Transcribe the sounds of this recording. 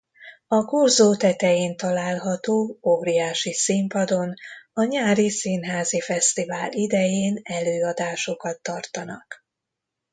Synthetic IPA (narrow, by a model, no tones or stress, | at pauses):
ɒkorzoːt̪ɛt̪ɛjeːnt̪ɒlaːlɦɒt̪oːoːɾiaːʃisimpɒd̪o̞nɒɲaːɾisinɦaːzifɛst̪ivaːlid̪ɛjeːnɛløːɒd̪aːʃo̞kɒt̪ːɒrt̪ɒnɒ̰k